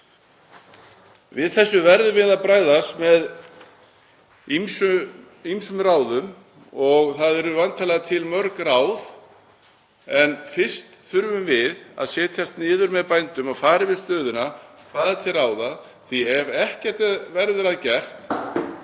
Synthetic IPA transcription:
vɪðθɛsːʏvɛɾðʏvɪðaðpɾaːjðasmɛð | imsʏ | imsʏmraːwðʏm | ɔɣθaðɛɾʏvant̪ʰalaɣat̪ʰɪlmœɾkraːwð | ɛnfɪr̥st̪θʏɾvʏmvɪða̰ðsɛːt̪ʰjast̪nɪːðʏɾmɛðpajnt̪ʏmawfaːɾɪvɪðst̪œːðʏnakʰv̥aːðat̪ʰɪlraːwðað | θiɛɾɛhcɛr̥t̪ɛðvɛɾðʏɾaðcɛr̥t̪

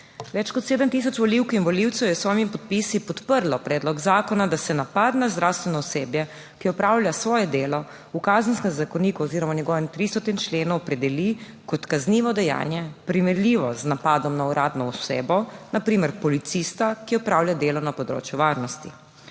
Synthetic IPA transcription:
ʋɛt͡ʃkɔt̪seːd̪əmt̪isɔt͡ʃʋɔliwkinʋɔliwt̪sɛwjɛsʋɔːjmimpɔt̪̚pisipɔt̪pəɾlɔpɾɛːd̪lɔɡzaːkɔnad̪asɛnapad̪nazd̪ɾawst̪ʋɛnɔɔseːbjɛ | kiɔpɾaːwlʲjasʋɔːjɛd̪eːlɔ | ukazənskɛmzakɔniːkuɔziːɾɔmaɲɛɡɔːʋɛmt̪ɾist̪ɔt̪int͡ʃleːnɔwpɾɛd̪ɛli | kɔt̪kazniːʋɔd̪ɛja̰ːnjɛpɾimɛɾlʲiʋɔznapad̪ɔmnauɾʔaːd̪nɔɔseːbɔnapɾiːmɛɾpɔlit̪sist̪akiɔpɾaːwlʲjad̪eːlɔnapɔd̪ɾo̰ːt͡ʃjuʋaːɾnɔst̪i

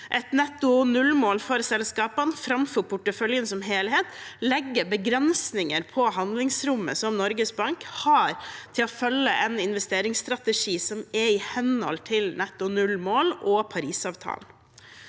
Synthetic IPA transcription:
ʔɛt̪nɛt̪ʊnʉlmoːlfɔːɾsɛlskɑːpənfɾɑmfɔɾpʰʊʈːəfœljənsɔmɦeːlheːt̪lɛɡːəbəɡɾɛnsnɪŋəɾpʰɔɦɑnd̪lɪŋsɾʊmːə̰sɔmnɔɾɡəsbɑŋkhɑɾt̪ʰɪlɔfœlːəʔɛnɪnʋɛst̪eːɾɪŋst̪ɾɑt̪əʂiːsɔmɛɪhɛnhɔ̰lt̪ʰɪlnɛt̪ʊnʉlmoːlɔpʰɑɾiːsɑːʋt̪ʰɑ̰ːln

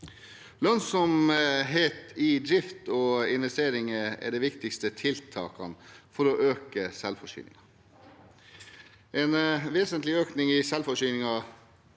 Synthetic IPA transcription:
lœnsɔmɦeːt̪ɪd̪ɾɪft̪ɔɪnʋɛst̪eːɾɪŋəɛ̰ɖɛʋɪkt̪ɪkst̪ət̪ʰɪlt̪ʰɑ̰ːkɑ̰nfɔɾɔʔøːkəsɛlfɔʂy̰ːnɪ̰ŋɑ | eːnʋeːsənt̪lɪøːknɪŋɪsɛlfɔʂyːnɪŋɑ

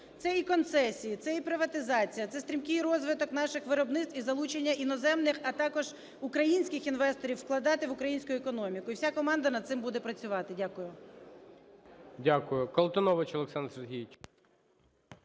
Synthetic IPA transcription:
t̪sɛikɔnt̪sɛsʲijit̪sɛipɾɪʋɐt̪ɪzɑt͡sʲijɐt̪sɛst̪ʲɾʲimkɪjɾɔzʋɪt̪ɔknɑʃɪxʋɪɾɔbnɪt̪t̪ʋizɐlˠut͡ʃenʲːɐʔinɔzɛmnɪxɐt̪ɑkɔʒ | ʊkɾɐjinʲsʲkɪxinʋɛst̪ɔɾʲiwːklˠɐd̪ɑt̪ɪʋʊkɾɐjinʲsʲkʊjʊɛkɔnɔmʲikʊiwsʲakɔmɑnd̪ɐnɐd̪̚sɪmbud̪ɛpɾɐt͡sʲʊʋɑt̪ɪdʲakʊjʊ | dʲakʊjʊkɐlˠt̪ɔnɔʋɐt͡ʃɔlˠeksɑnserɦʲijɪt͡ʃ

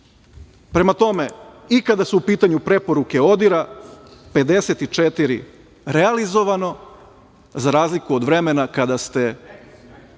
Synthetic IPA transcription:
pɾe̞mat̪o̞me | ikad̪asuupiːt̪aɲupɾe̞po̞ɾuke̞o̞d̪iɾape̞d̪e̞set̪it͡ʃet̪iɾḭ | ɾealizo̞ʋano̞ | zaɾaːzlikuod̪ʋɾe̞me̞nakad̪ast̪e̞

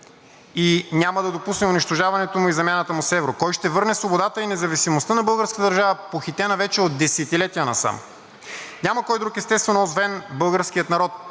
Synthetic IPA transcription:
iɲʲaməd̪ɐd̪opusnɛʊniʃt̪oʒavɐnɛt̪omʊizɐmjanət̪əmʊsɛvɾokɔjʃt̪ɛvɤɾnɛsvobod̪at̪əinɛzɐvisimost̪ənɐbɤlˠɡəɾskət̪əd̪əɾʒavəpoxit̪ɛnɐvɛt͡ʃɛod̪ːɛsɛt̪ilɛt̪iənɐsa̰m | nʲamɐkɔjd̪ɾukɛst̪ɛst̪vɛnɔzvɛnbɤlˠɡəɾsk̟ijət̪nɐɾɔt̪̚

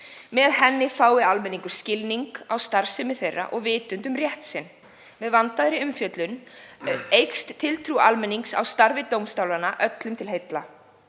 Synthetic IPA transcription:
mɛðhɛnːɪfaːwɪalmɛniŋkʏɾ̥scɪlniŋkawst̪aɾ̥sɛmɪθejrːa̰ʔɔɣvɪːt̪ʏnt̪ʏmrjɛht̪sɪnː | mɛðvant̪aðɾɪʏmfjœt̪lʏn | ejkst̪tʰɪlt̪ʰɾualmɛnːiŋksa̰wst̪aɾvɪt̪owmst̪awlanaʔœt̪lʏmt̪ʰɪlɦejt̪la̰

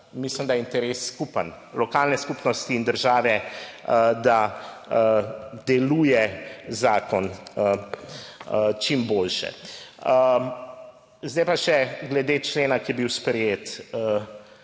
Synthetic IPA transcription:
mislimd̪ajɛint̪ɛɾesːkupən | lɔkaːlnɛskuːpnɔst̪iːnd̪əɾʒaːʋɛəd̪aəd̪ɛluːjɛzaːkɔnə | ət͡ʃimboːlʃɛ̰ə | zd̪ajpaʃɛɡlɛd̪et͡ʃleːnakijɛbiwspɾɛjeːt̪ə

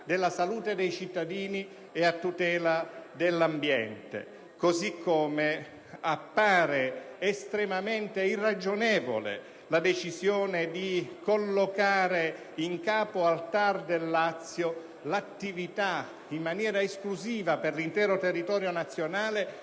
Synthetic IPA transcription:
d̪elːasaluːt̪ed̪ɛjt͡ʃit̪ːad̪iːni | eat̪ːut̪ɛːlad̪elːambjɛnt̪ḛ | kozikʰːome | apːaːɾeːst̪ɾemament̪eirːad͡ʒonɛːvo̰lḛ | lad̪et͡ʃizjoːned̪ikolːokaːɾe | iŋkaːpoalt̪ard̪elːat̪sːjo | lat̪ːivit̪a | imːanjɛːɾaeskluziːvaperlint̪ɛːɾot̪erːit̪ɔːɾjonat̪sːjonaːle

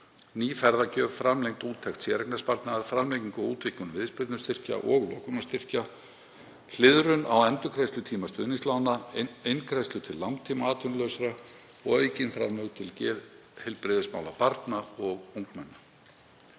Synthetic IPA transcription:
niːfɛɾðacœːvfɾamlejŋt̪uːt̪ʰɛxt̪sjɛːɾɛknaspaɾt̪naðaɾ̥fɾamlejciŋkɔuːt̪vɪhkʏnvɪðspɾɪɾt̪nʏ̥st̪ɪr̥ca̰ʔɔɣlɔ̰ːkʏnast̪ɪr̥ca | l̥ɪðɾʏna̰wɛnt̪ʏkʰɾejst̪lʏt̪ʰiːmast̪ʏ̰ðnɪŋst̪lawnaejnkʰɾɛjst̪ʏt̪ʰɪlːawnt̪ʰiːmaaːt̪ʏnlœːsaɾa | ɔɣœɥjcɪnfɾa̰mʏɣt̪ʰɪlcɛːð | hɛlpɾɪðɪsma̰wla̰paɾt̪naɔɣuŋkmɛnːa

